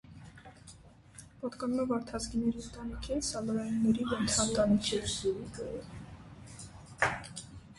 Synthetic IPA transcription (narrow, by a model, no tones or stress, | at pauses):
pɑt̪kɑnumɛvɑɾt̪ʰɑzɡinɛɾit̪ɑnikʰɛsɑlɔɾɑjunːɛɾivənt̪ʰɑnt̪ɑnit͡sʰjɛvzuɾikəɛ